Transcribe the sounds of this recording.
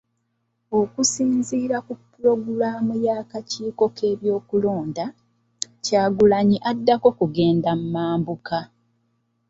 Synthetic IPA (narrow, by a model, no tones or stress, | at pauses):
o̞kusiːnziːɾakupːuɾo̞ɡulaːmujaːkaciːko̞kʰe̞ːβjo̞ːkulo̞ːnda | caːɡulaɲiʔadːako̞kuɡe̞ːndamumaːmbuka